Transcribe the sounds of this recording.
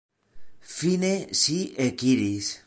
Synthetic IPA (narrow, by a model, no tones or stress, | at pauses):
finesiekiɾis